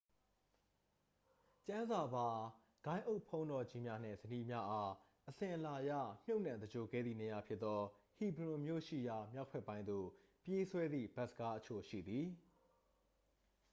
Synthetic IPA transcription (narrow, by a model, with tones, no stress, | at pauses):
t͡ɕã˦nza˨ba˨ | ɡ̥ã˦ɪ̃ʔo˦ʔpʰõ˦ʊ̃ndɔ˨d͡ʑi˦mja˦n̥ɪ̰̃˨zəni˦mja˦ʔa˦ | ʔəsɪ̃˨ʔə˨la˨jä̰˦˨m̥jo˦ʊʔnã˨d̪əd͡ʑo˨ɡɛ̰˦˨d̪ði˦˨ne˨ja˨pʰjɪ˦t̪t̪ːɔ˦hi˨bɾʊ̃˨mjo̰˦˨ʃḭ˦˨ja˨mja˦ʊʔpʰɛ˦pːã˦ɪ̃nd̪o̰˦˨ | pje˦swɛ˦d̪ðḭ˦˨ba˦ʔsə˨ɡa˦ʔət͡ɕʰo˨ʃḭ˦˨d̪ði˨